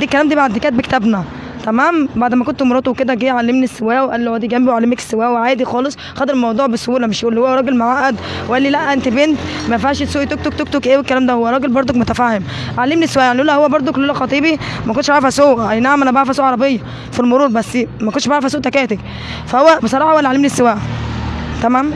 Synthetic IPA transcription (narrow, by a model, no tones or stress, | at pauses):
d̪ikːælæːmd̪iːbaʕd̪ːekæːt̪̚bekt̪æbnæ | t̪æmæːmbaʕd̪mækont̪omoɾˤɑːt̪ebked̪æɡeːʕalːemnisːewæːʔweʔælːihowæd̪iːɡæmbiwʕalːemæke̥sːewæːʔweʕaːd̪ixɑːlesˤ | xɑt̪eɾelmɑwd̪ˤuːʕbesoʔuːlæmeʃjʔuːlːihowːæɾˤɑːɡelmaʕaːʔæd̪ | weʔælːilæʔːæʔent̪ebent̪ | mæfʃesuːʔt̪ok̚t̪ok̚t̪ok̚t̪okʔeːwekːælæːmd̪æhowːæɾˤɑːɡelbɑɾˤd̪ˤokmot̪æfæhem | ʕalːemnisːewæːʔjaʕnilʔulːʔæhowːæbɑɾˤd̪ˤokolːoːlæxɑt̪ˤiːbimækont̪ːʃbaɾɑfhæsoːʔænaʕmænæbaʕɾɑfæsoːʔʕɑɾˤɑbejːɑ | filmoɾuːɾˤbæsːimækoneʃbaʕɾɑfæsoːʔt̪ækæːt̪æk | fæhowːæbesˤɑɾˤɑːħɑwʔælːʕalːemnisːewæːʔ | t̪æmæːm